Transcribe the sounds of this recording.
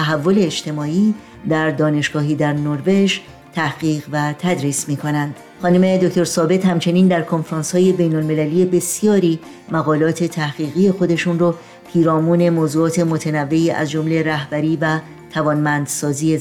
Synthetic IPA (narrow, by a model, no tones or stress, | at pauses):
t̪ʰæɦævːo̞le̞ːd͡ʒt̪e̞mɒːiː | d̪æɾd̪ɒːne̞ʃɡ̥ɒːɦiːd̪æɾnoɾve̞ʃ | t̪ʰæhɡiːʁvæt̪ʰæd̪ɾiːsmiːkʰo̞nænd̪̥ | xɒːnume̞d̪okt̪o̞ɾsɒːbe̞t̪hæmt͡ʃʰe̞niːnd̪æɾkʰo̞nfeɾɑːnshɒːje̞be̞jnolme̞læliːe̞be̞sijɒːɾiː | mæɣɒːlɒːt̪ʰe̞t̪ʰæhɣ̥iːɣije̞xo̞d̪e̞ʃunro | pʰiːɾɒːmuːne̞moːzuːɒːt̪ʰe̞mot̪ʰenævːe̞iːʔæ̰zd͡ʒo̞mle̞ɾæhbæɾiːvæ | t̪ʰævɒːnmænd̪̥sɒːziːe